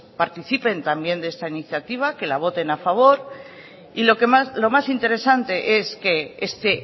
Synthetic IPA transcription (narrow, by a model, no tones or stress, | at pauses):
paɾt̪iθipe̞nt̪ambje̞nd̪e̞st̪ainiθjat̪iβ̞ake̞laβ̞o̞t̪e̞nafaβ̞o̞ɾ | ilo̞kemaslo̞masint̪e̞ɾe̞sant̪e̞ʔe̞ske̞est̪e